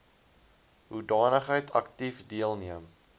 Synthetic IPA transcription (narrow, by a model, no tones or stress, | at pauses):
ɦudɑːnəχɦəjtʰɐktifdiəlˠniəm